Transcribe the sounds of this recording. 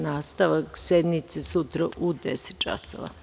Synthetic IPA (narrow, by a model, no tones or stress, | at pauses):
naːst̪aʋaksed̪mit̪sesut̪ɾaʔud̪ese̥t̪̚t͡ʃa̰so̰ʋa̰